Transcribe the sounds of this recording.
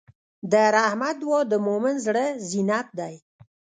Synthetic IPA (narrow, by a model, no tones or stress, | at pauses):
d̪əɾahmad̪wod̪əmomɪnzɽəzinap̚d̪aj